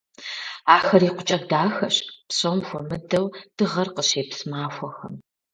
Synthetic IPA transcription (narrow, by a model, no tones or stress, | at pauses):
aːxɐɾiːqʷʊt͡ʃʼɐdaːxɐɕpɕʼomxʷɔmɨdɐwd̥ɨʁɐrqəɕeːpsɨmaːxʷɔxɐ̰m